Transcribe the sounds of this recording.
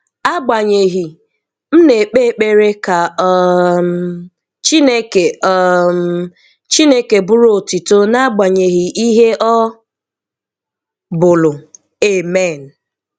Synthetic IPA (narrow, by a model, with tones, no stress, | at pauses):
a˦ɡ͡ba˨ɲe˨ɦi˨ | m̩˦ne˨k͡pe˦˨k͡pe˨ɾe˦ka˨˦ | m | t͡ʃi˦ne˦ke˨ɔ˦˨m˨ | t͡ʃi˦ne˦ke˨bʊ˦ɾo˦˨ti˨to˦na˦ɡ͡ba˨ɲe˨ɦi˨ʔi˦ɦe˦ʔɔ˦ | bʊ˨lʊ˨ | e˦˨me˦˨n̩˨